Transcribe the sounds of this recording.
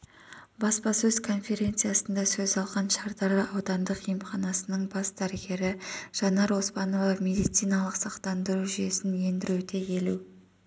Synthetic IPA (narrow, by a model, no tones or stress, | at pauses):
bɑspɑsɵzkʰo̞nfe̞ɾʲe̞nt̪sɨjɑsənd̪ɑsɵzɑlˠʁɑnʃɑɾd̪ɑɾlˠəʔɑwd̪ɑnd̪əqimχɑnɑsənəɴbɑsd̪æɾɪɡʲe̞ɾɪʒ̥ɑnɑɾo̞spɑno̞vɑme̞d̪ijt̪sijnɑlˠəqsɑqt̪ɑnd̪əɾuʒʏje̞sɪnje̞nd̪ɪɾud̪e̞ke̞lu